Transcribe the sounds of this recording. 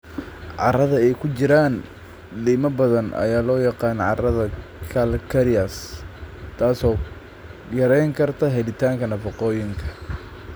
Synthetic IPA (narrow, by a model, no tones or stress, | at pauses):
ʕɑ̰rɐðɐɛjkʰʊt͡ʃɪɾaːn | liːmɐbɐðɐnɐ̰jaːlɔːjɑqɑːnʕɑ̰rɐðɐkʰɐlkʰɐɾɪɐs | t̪ʰaːsɔː | jɐɾɛjŋkʰɐrt̪ʰɐɦɛlɪt̪ʰaːŋkʰɐnɐfɐqɔːjɪŋkʰɐ̥